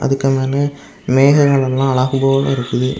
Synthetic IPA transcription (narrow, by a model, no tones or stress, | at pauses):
ʔɐ̰ðɯkːɐmaːnɐ | meːɣɐɣɐɭɐlːãːɐɭaːɣɯboːɐlɐ̰ɪɾɯkːɯðɯ